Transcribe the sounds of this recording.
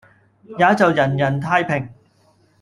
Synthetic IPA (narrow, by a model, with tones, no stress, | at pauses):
jaː˨˥t͡sɐ˨wjɐ˨˩njɐ˨˩nt̪ʰaː˧˥jpʰɪ˨˩ŋ